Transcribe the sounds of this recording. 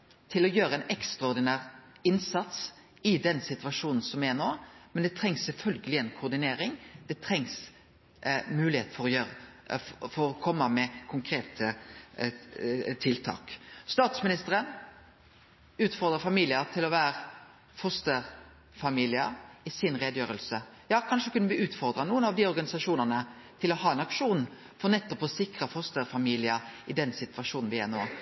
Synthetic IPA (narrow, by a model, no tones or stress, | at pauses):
t̪ʰɪlɔjøːɾəɛnɛkst̪ʁɑɔɾd̪ɪnæːʁɪnsɑt̪s | ɪd̪ɛnsɪt̪ʋɑʂuːnn̩sɔmɛnoːmɛnd̪ɛt̪ʰɾɛŋssɛlfœlɡəlɪɛnkʰʊʁd̪ɪneːɾɪŋd̪̥ɛt̪ʰɾɛŋs | mʉːlɪheːt̪̩fɔɾɔjøːʁə | fɔɾɔkʰɔmːəmɛkʰʊŋkʰɾeːt̪ʰə | t̪ʰɪlt̪ʰɑ̰ːkst̪ɑːt̪smɪnɪst̪əʁən | ʉːt̪fɔʁd̪ʁəfɑmiːlɪət̪ʰɪlɔʋæːɾ | fɔst̪əʁ | fɑmiːlɪəɪsɪnʁeːd̪jøːɾəlsəjɑːkʰɑnʂəkʉnːəʋɪʉːt̪fɔɾʁd̪ʁɑnuːənɑʋd̪ɪɔɾɡɑnɪsɑʂuːnənə | t̪ʰɪlɔhɑːɛnɑkʂuːn | fɔʁnɛt̪ːɔpɔsɪkʁəfɔst̪əɾfɑmiːlɪəɪd̪ɛnsɪt̪ʋɑʂuːnn̩ʋɪæno̰ː